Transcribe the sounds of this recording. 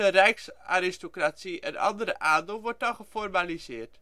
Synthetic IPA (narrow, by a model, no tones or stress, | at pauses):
ərɛjksa̰ːɾɪstokrat͡siʔɛ̰nʔɑ̰ndəɾəʔaːndelˠʋɔrt̚dɔnχəformalizɪərt